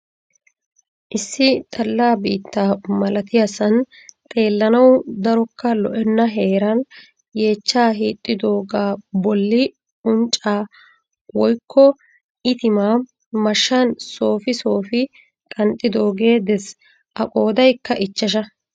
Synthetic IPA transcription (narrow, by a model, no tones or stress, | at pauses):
ʔɪsːɪt̪ʼɐlːaːbḭːt̪ːaːmɐlɐt̪ɪjasɐn | t̪ʼe̞ːlːɐnɐwd̪ɐɾɔkːɐlɔʔɛnːɐɦe̞ːɾɐn | je̞ːt͡ʃːaːɦiːt̪ʼːɪd̪o̞ːɡaːbɔlːɪ | ʊnt͡ʃʼːaː | wɔjkʰːɔ | ʔɪt̪ɪmaː | mɐʃːɐnso̞ːfɪso̞ːfɪ | kʼɐnt̪ʼːɪd̪o̞ːɡe̞ːd̪ɛs | ʔɐkʼo̞ːd̪ɐjkːɐʔɪt͡ʃːɐʃ̬ɐ